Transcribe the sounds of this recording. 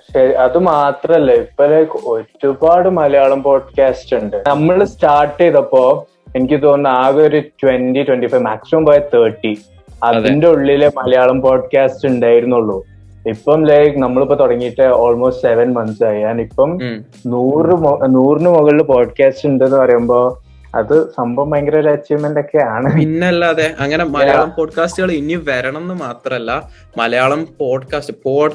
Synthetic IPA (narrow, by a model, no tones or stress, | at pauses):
ɕɐɾiɐðɨmaːt̪rɐmɐlːɐipːolɐjkːoɾːubaːɽɨmɐlɐjaːɭɐmpo̞ːɖkaːstuɳɖɨnɐmːɐɭsʈaːʈːeːðɐpːo̞ː | enikʲːɨt̪o̞ːnːɨaːɣoɾutwenditwenʈifɐjʋmaːksimoɐːmpɐːjɐt̪ʰɐːʈːi | ɐðinde̞uɭːilemɐlɐjaːɭɐmpo̞ːɖkaːstuɳɖaːjiɾunːuɭːu | ipːɐmlɐjkɨnɐmːɐɭipːoːt̪oɽɐŋːijiʈːɨoːlmo̞ːstseʋɐnmɐnsaːjjaːnipːɐm | nuːrɨmnuːrnɨmuɣɐɭilpo̞ːɖkaːstɨuɳɖenːɨpɐrɐjumbo̞ː | ɐ̰ðɨsɐmbɐmɐŋɡɐɾɐɾet͡ɕːiʋmendo̞kːe̞aːɳɨinːeɐlːɐɐðeʔɐŋːɐnemɐlɐjaːɭɐmpoːɖkaːstɨɣɐɭiniʋɐɾɐɳɐenːɨmaːt̪rɐmɐlːɐ | mɐlɐjaːɭɐmpoːɖkaːstɨpoːɖ